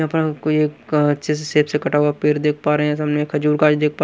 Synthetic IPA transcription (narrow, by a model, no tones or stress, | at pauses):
ãpnakoeːkɐtʃʰeseseːpsekɐʈaːwapeːɾd̪eːk̚ʰpaːɾeɦɛ̃sɐmneeːkʰɦəd͡ʒuːɾkaːd͡ʒd̪eːk̚ʰpaː